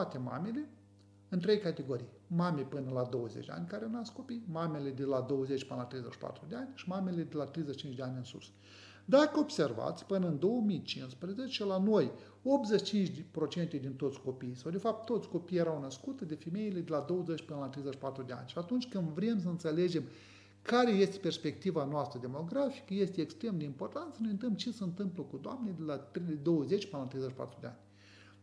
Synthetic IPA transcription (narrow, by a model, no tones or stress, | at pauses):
t̪at̪ema̰mele̞ | ɨnt̪ɾe̞jkat̪eɡo̞ɾij | mamejpɨnəlad̪o̞wəzḛt͡ʃʲd̪ea̰nʲkaɾeawnasko̞pijmamele̞d̪elad̪o̞wəzet͡ʃʲpɨnəlat̪ɾejzet͡ʃʃi̥pa̰t̪ɾud̪eanʲʃimamele̞d̪elat̪ɾejzet͡ʃt͡ʃint͡ʃʲd̪eanʲɨnsṵs | d̪akəobse̞rva̰t̪sʲpɨnəɨnd̪o̞wəmijt͡ʃinspɾeze̞t͡ʃe̞lanoj | o̞p̚t̪zet͡ʃʲt͡ʃint͡ʃʲd̪pɾo̞t͡ʃe̞nt̪ed̪int̪o̞t̪sʲko̞piisawd̪e̞fap̚t̪ːo̞t̪sʲko̞pijːjeɾawnəskut̪əd̪efe̞me̞ile̞d̪elad̪o̞wəzet͡ʃʲpɨnəlat̪ɾejzəʃpat̪ɾud̪ea̰nʲʃiat̪unt͡ʃʲkɨnd̪vɾems̬əɨnt̪sele̞d͡ʒe̞m | kaɾe̞je̞st̪eperspe̞k̚t̪ivanoast̪ɾəd̪e̞mo̞ɡɾafi̥kəje̞st̪eːkst̪ɾe̞md̪eimpo̞rt̪ant̪sənojɨnt̪əmt͡ʃesəɨnt̪ɨmpləkud̪oamnejd̪elat̪ɾed̪o̞wəze̞t͡ʃʲpɨnəlat̪ɾejzeʃi̥pa̰t̪ɾud̪ea̰nʲ